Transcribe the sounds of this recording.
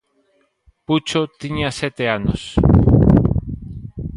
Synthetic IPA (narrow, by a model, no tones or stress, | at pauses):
put͡ʃot̪iɲaset̪eanos